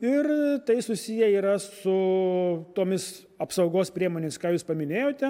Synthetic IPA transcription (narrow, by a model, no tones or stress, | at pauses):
ɪrt̪ɐɪsʊsʲijɛiːɾɐsʊ | t̪oːmʲɪs | ɐpsɐʊɡoːspʲɾʲiɛmoːnʲeːmʲɪskɑːjuːspɐmʲɪnʲeːjoːt̪ʲɛ